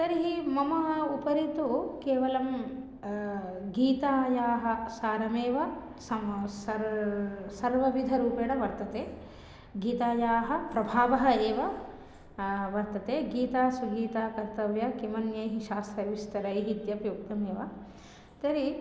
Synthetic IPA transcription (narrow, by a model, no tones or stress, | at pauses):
t̪ɐɾiɦimɐmɐɦɐupɐɾit̪ukeːʋɐlɐm | ɡiːt̪aːjaːɦɐ̆saːɾɐmeːʋɐ | sɐsɐ | sɐɾʋɐʋid̪ʱɐɾuːpeːɽɐʋɐɾt̪ɐt̪eː | ɡiːt̪aːjaːɦɐ̆pɾɐbʱaːʋɐɦɐeːʋɐ | ʋɐɾt̪ɐt̪eːɡiːt̪aːsɐɡiːt̪aːkɐɾt̪ɐʋjɐkimɐnjɐjɦiʃaːst̪ɾɐʋist̪ɐɾɐjɦit̪jɐpjoːkt̪ɐmeːʋɐ | t̪ɐɾi